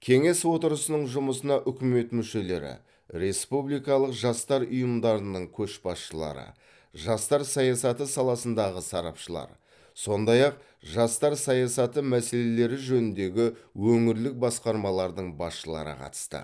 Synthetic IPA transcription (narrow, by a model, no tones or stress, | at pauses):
kʲʰe̞ŋe̞swo̞t̪əɾəsənəɴʒʊməsənɑʔʏkʲɪme̞t̪mʏʃe̞le̞ɾɪ̰ | ɾe̞spublijkɑlˠəqʒɑst̪ɑɾʊjəmd̪ɑɾənəɴkʲʰɵʃbɑsʃəlˠɑ̰ɾə̰ | ʒɑst̪ɑɾsɑjɑsɑt̪əsɑlˠɑsənd̪ɑʁəsɑɾɑ̰pʃəlˠɑ̰ɾ | so̞nd̪ɑjɑq̚ | ʒɑst̪ɑɾsɑjɑsɑt̪əmæse̞le̞le̞ɾɪʒɵnɪnd̪e̞ɡʲɪwɵŋɪɾlɪk̚bɑsqɑɾmɑlˠɑɾd̪əɴbɑsʃəlˠɑ̰ɾə̰qʰɑ̰t̪ə̥st̪ə̰